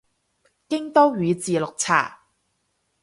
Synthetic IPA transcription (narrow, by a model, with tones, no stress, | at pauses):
kɪ˥ŋt̪ɔː˥ɥyː˨˧t͡siː˨lʊ˨k̚t͡sʰa̰ː˨˩